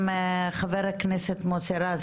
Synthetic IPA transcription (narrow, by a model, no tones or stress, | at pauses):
mχaveɾaknɛset̪mot͡seɾaz